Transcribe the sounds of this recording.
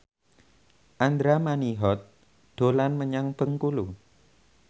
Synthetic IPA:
ʔand̪ɾamaniɦɔt̪̚ | d̪̥o̤lanməɲaŋb̥əŋkulu

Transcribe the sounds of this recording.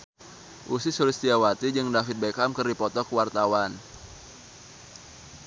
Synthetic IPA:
ʔusisulist̪iawat̪id͡ʒɨŋdafɪt̪̚bekamkərdipɔt̪ɔkəwart̪awan

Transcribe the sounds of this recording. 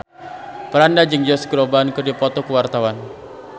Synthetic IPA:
pəɾandad͡ʒɨŋd͡ʒɔskəɾɔbankərdipɔt̪ɔkəwart̪awan

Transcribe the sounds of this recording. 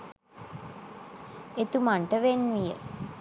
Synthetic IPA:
et̪umaɳʈəʋenʋijə̰

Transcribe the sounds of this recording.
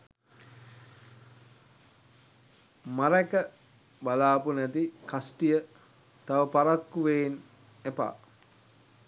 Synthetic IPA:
maɾɛkə | balaːpunɛt̪ikasʈijə | t̪aʋəpaɾakːuʋeːn | epa̰ː

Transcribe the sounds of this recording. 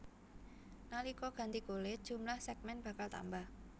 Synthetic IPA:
nalikɔɡ̥a̤nt̪ikolɪt̪̚dʒ̥ṳmlahsɛɡ̚mɛnb̥a̤kalt̪a̰mbah

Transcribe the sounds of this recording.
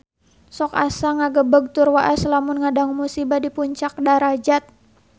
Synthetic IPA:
sɔkasaŋaɡəbəɡ̚t̪ʊrwaʔaslamʊnŋadaŋmusibadipuɲt͡ʃak̚daɾad͡ʒat̪̚

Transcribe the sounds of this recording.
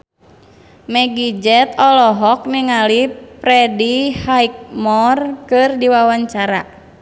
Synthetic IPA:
mɛɡid͡ʒɛt̪ɔlɔɦɔk̚niŋalipɾɛdihaik̚mɔrkɨrdiwawaɲt͡ʃaɾa̰

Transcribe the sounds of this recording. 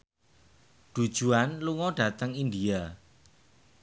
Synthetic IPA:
ɖ̥ṳd̥ʒ̥uanluŋɔɖ̥ä̤t̪əŋindia

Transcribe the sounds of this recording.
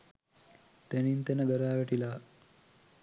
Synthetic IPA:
t̪enint̪enəɡəɾaːʋæʈilaː

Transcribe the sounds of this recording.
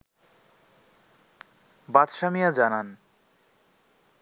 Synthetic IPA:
bad̪ʃamijad͡ʑanan

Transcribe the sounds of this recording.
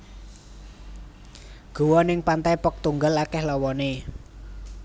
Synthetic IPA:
ɡ̥o̤wɔnɪŋpant̪ajpək̚t̪uŋɡalakɛhlɔwɔne

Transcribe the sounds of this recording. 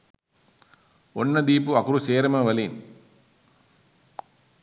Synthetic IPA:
ɔnːɐd̪iːpuɐkʊɾuseːɾɐmɐʋɐlin

